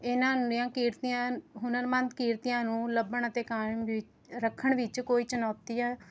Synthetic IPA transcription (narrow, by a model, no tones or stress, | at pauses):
ɪnãːnɪjãːkiːɾt̪ijãːɦʊnəɾmənt̪kiːɾt̪ijãːnũːləbəɳət̪eːkaːmʋɪt͡ʃ | ɾəkʰːəɳʋɪt͡ʃkoːiːt͡ʃənɔːt̪iːɛː